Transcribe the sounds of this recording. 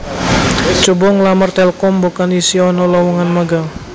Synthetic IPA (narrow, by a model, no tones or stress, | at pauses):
t͡ʃubɔŋlamərt̪ɛlkɔmbokanisiɔnɔlɔwuŋanmaɡal